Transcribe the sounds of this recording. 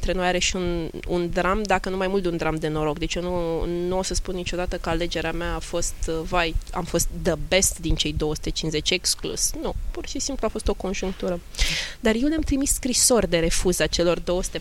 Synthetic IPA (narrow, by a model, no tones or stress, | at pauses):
nt̪ɾeno̞jaɾe̞ʃiun | ṵnd̪ɾamd̪akənumajmult̪d̪eund̪ɾamd̪e̞no̞ɾo̞kd̪et͡ʃjewnunuosəspunːit͡ʃo̞d̪at̪əkəale̞d͡ʒe̞ɾeameaːfo̞st̪vaja̰mfo̞st̪̚d̪əbe̞st̪d̪int͡ʃe̞jd̪o̞wəsu̥t̪e̞t͡ʃinze̞t͡ʃʲeksklṵsnupurʃisimpluafo̞st̪o̞ko̞nʒuŋk̚t̪uɾəd̪arje̞wleamt̪ɾimisskɾiso̞rʲd̪e̞ɾe̞fuzat͡ʃe̞lo̞rd̪o̞wəsu̥t̪e